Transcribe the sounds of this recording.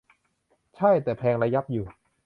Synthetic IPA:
t͡ɕʰa˥˩jt̪ɛː˨˩pʰɛː˧ŋɾa˧ja˦˥p̚juː˨˩

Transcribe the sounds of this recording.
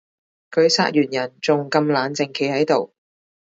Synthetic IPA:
kʰɵ˨˧ɥsa̰ː˥t̚jyː˨˩njɐ˨˩nt͡sʊ˨ŋkɐ˧mlaː˨˧nt͡sɪ˨˩ŋkʰe˨˧˥jhɐ˨˥jt̪o˨w

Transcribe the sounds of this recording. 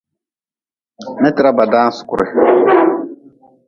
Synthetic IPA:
mɛ˦tɪ˨ɾa˦ba˨daː˦n˦sʊ̥˨kʊ̰˨ɾʔɪ̰˨

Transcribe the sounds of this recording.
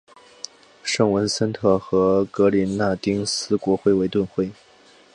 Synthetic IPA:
ʂɤ˥˩ŋwə˧˥nsə˥nt̪ʰɤ˥˩xɤ˧˥kɤ˧˥li˧˥nna˥˩t̪i˥ŋsɹ̩˥kwɔ˧˥xwe˥˩ɪwe˧˥ɪt̪wə˥˧nxwe˥˩ɪ

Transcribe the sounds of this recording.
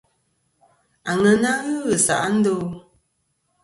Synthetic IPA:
a˨ŋə˨na˦ɣɯ˦ɣə˨sa̰˨ʔa˦n̩˦do˦

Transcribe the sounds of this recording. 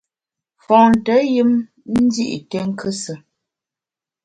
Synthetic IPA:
fɔ̃˨n˨tə˨˦jɨ˦m | n̩˦di˦ʔḭ˨tə˦ŋ̩˦kʰə˦sə˨

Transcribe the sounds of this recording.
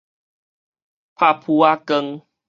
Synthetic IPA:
pʰa˧˨pʰu˧a˧kə˧ŋ

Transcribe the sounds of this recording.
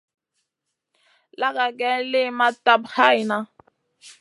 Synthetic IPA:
la˦ka˨kɛ˦lɪ˦ma˦ta˦bha˦jna˦

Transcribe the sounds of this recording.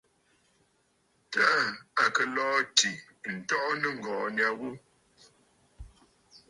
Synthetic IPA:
ta˦˨a˨kə˨lɔː˦ti˨ | n̩˨tɔ˦ʔnə˦ŋ̩˨ɡɔː˨nja˦ɣu˦

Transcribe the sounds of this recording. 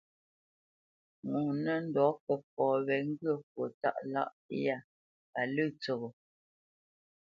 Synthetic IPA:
ŋu˨nə˦n̩˦dɔ˨˦kə˨p̚ɔː˨βɛ˨ŋ̩˦ɡə˦˨kwo˨ta̰˦˨ʔla̰˦ʔja˦˨ | pa˨lɨ˦˨t͡so˨ɣo˨

